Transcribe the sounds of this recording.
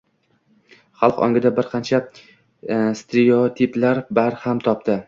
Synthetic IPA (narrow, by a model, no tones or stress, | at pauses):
χɑlˠqɒ̰ŋɡʲɪd̪abɪɾqʰɑnt͡ʃʰa | st̪ɾeot̪ʰiplaɾbaɾhamt̪ʰɒp̚t̪ɪ